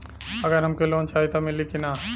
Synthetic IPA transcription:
ɐɡəɾɦɐmkeloːnt͡ʃaːit̪amɪlikina

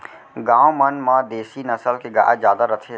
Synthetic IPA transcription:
ɡãːomənmãd̪eːsinɐsəlkeɡa̰ːzjaːd̪aɾət̪ʰe

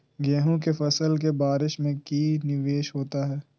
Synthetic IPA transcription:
ɡɛːɦũkefɐsəlkebaːɾɪʃmẽkiːnɪʋeːʃɦoːt̪aɦɛː

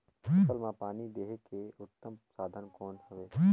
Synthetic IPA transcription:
əlmãpaːnid̪eːɦekeʊt̪ːəmsaːd̪ʱənkoːnhʊʋeː

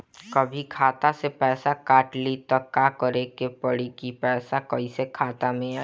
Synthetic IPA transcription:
kəbʱikʰaːt̪asepɛːsakaːʈlit̪ɔkakəɾekepəɽikipɛːsakəisekʰaːt̪amẽa

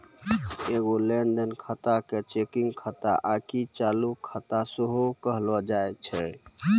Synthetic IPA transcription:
eɡolenɖ̪ənkʰət̪aket͡ʃekiŋɡkʰət̪a̰ʔakit͡ʃalukʰət̪asəɦokəɦlɔd͡ʒaet͡ʃʰɛ

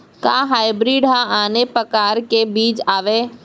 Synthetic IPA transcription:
kaːɦaːɪbɾiːɖaaːnepɾɐkaːɾkebiːt͡ʃaːʋeː

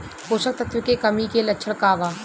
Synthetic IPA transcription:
poːʃək̚t̪ət̪ʋɪkekɐmikelɐtːʃʰəɽkaːʋaː

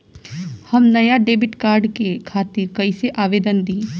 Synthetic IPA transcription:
hɐmnɐjaɖeːbɪʈkaːɾɖkekʰaːt̪ɪɾkɐiseʔaːʋeːd̪ənd̪iː

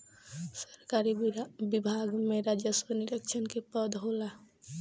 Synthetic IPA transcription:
səɾkaɾibibʱaɡmeɾad͡ʒesoniɾɛkt͡ʃʰɔnkepɔd̪ɦola

